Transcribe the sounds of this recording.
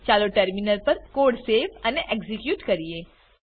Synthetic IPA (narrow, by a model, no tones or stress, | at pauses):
t͡ʃaːloʈɐɾminəɾpɐɾkoːɖseːʋɐneʔekzɪkjuːʈkɐɾieː